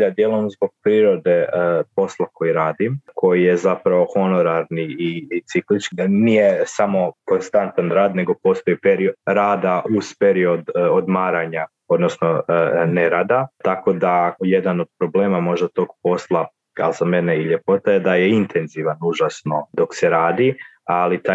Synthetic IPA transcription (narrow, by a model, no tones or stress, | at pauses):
ʎad̪jelˠomzbo̞ɡ̥̚pɾiːɾo̞d̪e̞po̞slˠako̞jiɾaːd̪imkʰo̞jije̞zapɾaʋo̞xo̞no̞ɾaɾniit̪siklit͡ʃknijesamo̞ko̞nst̪ant̪anɾaːd̪ne̞ɡo̞po̞ːst̪o̞jipeɾioɾaːd̪aʔuz̥peɾio̞d̪od̪maːɾaɲa | o̞d̪nosno̞neɾaːd̪at̪ako̞d̪ajed̪ano̞d̪̥̚pɾo̞ble̞ːmamo̞ʒd̪at̪o̞ːɡpo̞slˠa | kalzameneiʎe̞po̞t̪ajed̪aje̞int̪ʰenziʋanuʒasno̞d̪o̞kseɾaːd̪ialit̪a